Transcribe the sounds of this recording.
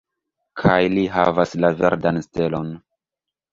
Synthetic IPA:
kʰajliɦa̰vaslave̞̰ɾdanste̞lo̞n

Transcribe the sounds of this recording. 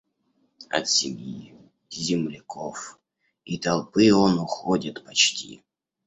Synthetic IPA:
ɐ̰t̪sʲɪ̰ɡji | zʲɪmlʲɪkʰof | it̪ɐlˠpɨonʊxodʲɪt̪pɐt͡ɕtʲḭ

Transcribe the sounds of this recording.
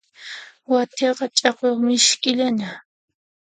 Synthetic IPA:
wat̪ʰeqɑt͡ʃʼɑqoχmɪʃkʼɪʎana

